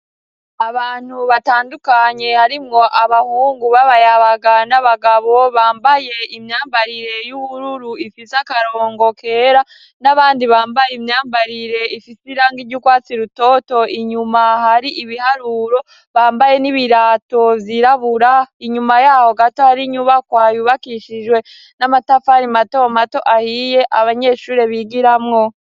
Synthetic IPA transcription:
aβaːn̥huβataːndukaɲe̞haɾimŋo̞ʔaβahuːŋɡuβaβajaβaɡanaβaɡaβo̞βaːmbaje̞imɲaːmbaɾiɾe̞juβuɾuɾuifisakaɾo̞ːŋɡo̞kʰe̞ɾa | naβaːndiβaːmbajmɲaːmbaɾiɾe̞ifisiɾaːŋɡiɾɟukwaːt͡siɾuto̞ːto̞ʔiɲumahaɾiʔiβihaɾuɾo̞ | βaːmbaje̞niβiɾaːto̞vjiɾaβuɾaiɲumajaːho̞ɡatohaɾiɲuβakwaːjuβakiʃid͡ʒwe̞ | namatafaɾimato̞mato̞ʔahije̞ʔaβaɲe̞ʃuːɾe̞βiɡiɾamŋo

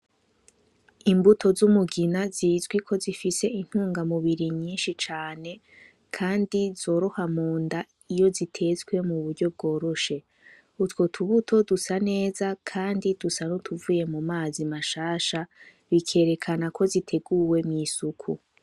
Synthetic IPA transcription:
imbutʰo̞zumuɡinazizɡwikʰo̞zifise̞in̥huːŋɡamuβiɾiɲiːnʃit͡ʃaːne̞ | kʰaːndizo̞ːɾo̞hamoːnda | ijo̞zitʰe̞zwe̞muβuɾɟo̞b̚ɡo̞ːɾo̞ʃe̞ | utwo̞tʰuβutʰo̞dusane̞ːzakʰaːndid̥usanotʰuvuːje̞mumaːzimaʃaːʃa | βikʰe̞ːɾe̞kʰanakʰo̞zitʰe̞ɡuwe̞mɲiːsukʰu

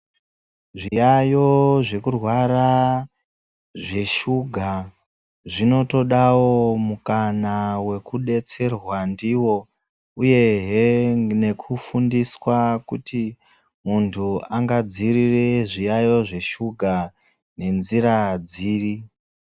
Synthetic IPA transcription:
ʐijajo̞ʐe̞kurwaɾa | ʐe̞ʃuɡʱa | ʐino̞to̞ɗawo̞mukanawe̞kuɗe̞t͡se̞rwandiwo̞ | uje̞ɦene̞kʰufundiswakuti | muntʰuaŋɡad͡zirireʐijajo̞ʐe̞ʃuɡʱa | ne̞nziɾad͡ziːri

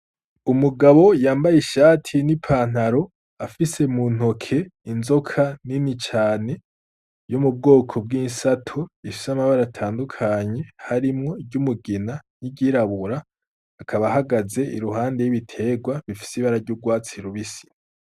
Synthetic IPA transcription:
umuɡaβo̞jaːmbajeʃaːtʰinipʰaːn̥haɾo̞ | afise̞mun̥o̞kʰe̞inzo̞kʰaninit͡ʃaːne̞ | jumub̚ɡo̞ːkʰo̞b̚ɡiːnsatʰoifi̥samaβaɾatʰaːndukʰaːɲe̞haɾimŋo̞ɟumuɡinaniɟiːɾaβuɾaː | kʰaβaɦaɡaze̞ḭɾuɦaːnde̞jiβitʰe̞ːɡwaβifi̥siβaɾaɟuːɡwaːt͡siɾuβisi̥

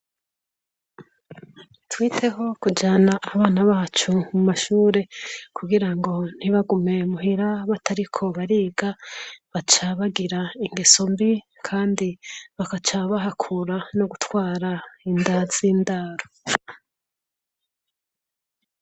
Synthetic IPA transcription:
twiːtʰe̞ɦo̞kud͡ʒaːnaʔːβaːnaβaːt͡ʃumumaʃuːɾe̞kʰuɡiɾaŋɡo̞n̥hiβaɡume̞muɦiɾaβatʰaɾikʰo̞βaɾiːɡaβat͡ʃaβaɡiɾaiŋɡeso̞mbi | kʰaːndiβakat͡ʃaβaɦakʰuɾanoɡutwaːɾaindaz̥iːndaːɾo

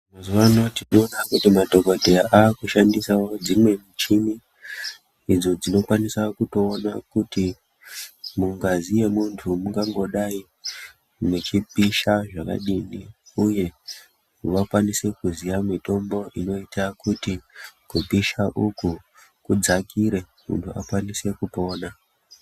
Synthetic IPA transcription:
mazuanotinoːnakutimadʱo̞kodʱeʔaːkuʃandisao̞d͡zimwe̞mut͡ʃimi | id͡zo̞d͡zino̞kwanisakuto̞ːnakuti | muŋɡazije̞muntʰumuŋɡaŋɡo̞ɗai | net͡ʃipiʃaʐaka̰ɗiniuje̞ | ʋakwanise̞kuzijamito̞mbo̞ʔino̞itakutikupiʃaʔuku | kud͡zakiɾe̞ | mṵntʰua̰kwanise̞kupo̞ːna

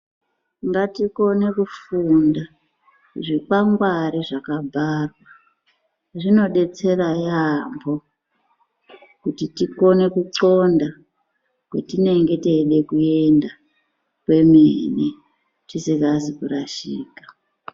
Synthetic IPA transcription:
ŋɡatiko̞ne̞kufunda | ʐikaŋɡwaɾiʐakabʱarwa | ʐino̞ɗe̞t͡se̞rajambo̞ | kutitiko̞ne̞kuǀo̞nda | kwetine̞ŋɡe̞te̞ɗe̞kue̞nda | kwe̞mene | tisikazikuraʃḭːkḁ

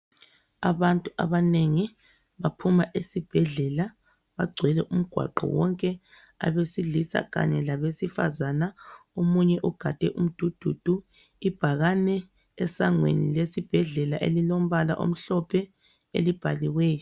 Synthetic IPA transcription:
aβantʼuʔaβaneŋi | βapʰumaʔesib̥ʱɛɮɛla | βaɡ͡ǀʱwɛlɛʔum̩ɡ̥ʱwa̰ǃɔ̰wɔŋkʼɛ | a̰βesilisa̰ɣa̰ɲɛlaβesifa̰zanaomuɲɛʔuɡ̥ʱad̥ʱɛʔum̩d̥ʱud̥ʱud̥ʱu | ib̥ʱaɣanɛː | saŋwḛnilesib̥ʱɛɮɛlaʔḛlilom̩βala̰ʔo̰m̩ɬɔpʰɛ | ḛlib̥ʱaliwɛːjɔ

